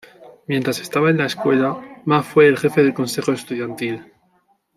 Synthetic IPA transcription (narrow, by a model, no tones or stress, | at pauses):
mjent̪ɾase̞st̪aβaenlae̞skwe̞lamafwe̞ːlxe̞feðe̞lko̞nse̞xo̞e̞st̪uðjant̪il